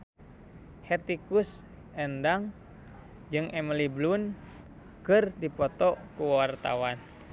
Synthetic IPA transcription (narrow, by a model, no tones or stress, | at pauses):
hɛrt̪ikus | ɛndaŋ | d͡ʒɨŋɛməliblun | kɨrdipɔt̪ɔkuwart̪a̰wan